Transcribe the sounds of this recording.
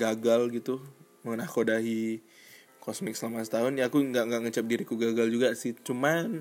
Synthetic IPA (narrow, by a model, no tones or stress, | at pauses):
ɡaɡalɡit̪u | məŋənahkodaɦi | kɔsmɪk̚səlamasə̥t̪aɦʊnjaakuŋɡaʔŋɡaʔŋət͡ʃap̚diɾikuɡaɡald͡ʒuɡasɪht͡ʃuman